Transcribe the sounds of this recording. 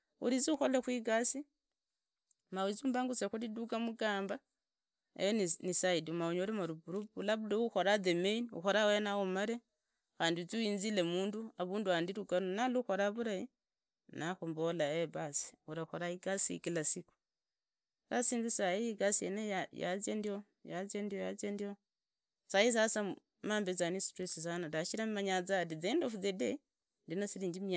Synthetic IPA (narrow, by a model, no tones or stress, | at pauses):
ṵɾit͡siuxolexwiɡasi | mawit͡suːmbaŋɡusexuliduɡamuɡaːmba | ḛjonnisaidiumauɲoɾimaɾubuɾubulaβuleuxo̞ɾaðemeiniṵxo̞ɾawenaomaɾe | xaːndit͡suiːnzilemuːnduaβuːnduandiɾuɡanonaluxo̞ɾaβuɾaji | naxumbolaeβasi̥uɾaxoɾaiɡasḭkilasiku̥ | kasiːnzisaikasiḛneaja̰zendio | jazendiojat͡sendio | sais̬asa | maːmbezanistesis̬anadaʃiɾammaɲat͡sadiðendofuðede | ndinosiɾiːɲd͡ʒimia